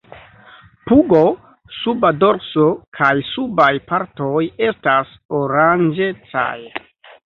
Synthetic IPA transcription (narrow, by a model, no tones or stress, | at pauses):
puɡo̞ | subadoɾsokʰajsubajpaɾto̞je̞stas | oɾand͡ʒe̞t͡sa̰j